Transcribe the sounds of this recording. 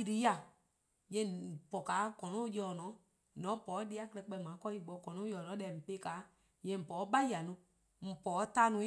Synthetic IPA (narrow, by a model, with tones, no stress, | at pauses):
i˧ɾi˧˦a˨ | jɛ̃˧˨pɔ˨kaː˨˦kɔ̃˨nũ˦jɔː˨nɔ̃˨˦˨ | nɔ̃˨˦pɔː˨˦di˦˧˦a˦klɛ˧˦k͡pɛ˧˨mãː˨˦kɔ˦i˨ɡ͡bɔ˨˧˦kɔ̃˨nũ˦jɔː˨nɔ̃˨˦ɛ˨m̩˨pe˦kaː˨˦ | jɛ̃˨m̩˨pɔː˨˦ɓa˦ja˨nũ˧˦ | m̩˨pɔː˨˦ta˧˦nũ˧˦